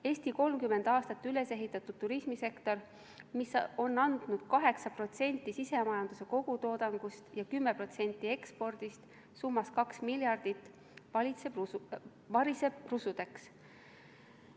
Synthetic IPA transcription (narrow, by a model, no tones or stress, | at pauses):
e̞ːsʲt̪iko̞lmkyme̞nd̪̥ɑːst̪ɑt̪ːyle̞se̞ɦit̪ːˑɑt̪ud̪̥̚tːuɾismise̞kt̪o̞r | miso̞nːɑnd̪̥nud̪̥kɑɦe̞ksɑpro̞t̪se̞nʲt̪ˑːisise̞mɑjɑnd̪use̞ko̞ɡ̥ut̪o̞ːd̪̥ɑŋɡ̥ust̪jɑkymːe̞pro̞t̪se̞nʲt̪ːˑie̞kspo̞rd̪̥ist̪ | sumːɑskɑksmiljɑrd̪̥it̪ːˑ | vɑlʲit̪se | vɑɾise̞brusud̪̥e̞ks